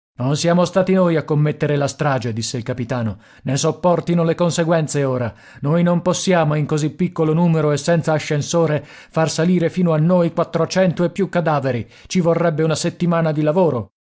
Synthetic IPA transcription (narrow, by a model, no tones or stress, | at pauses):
nonsjaːmost̪aːt̪inoːjakːomːet̪ːeɾelast̪ɾaːd͡ʒed̪isːeilkapit̪aːno | nesopːɔrt̪inolekonseɡwɛnt̪seoːɾa | nojnomposːjaːmoiŋkozipːikːolonuːmeɾoesːɛnt̪saːʃːensoːɾe | farsaliːɾefiːnoanːojkwat̪ːɾot͡ʃɛnt̪oepːjukːad̪aːveɾi | t͡ʃivorːɛbːeunaset̪ːimaːnad̪ilavoːɾo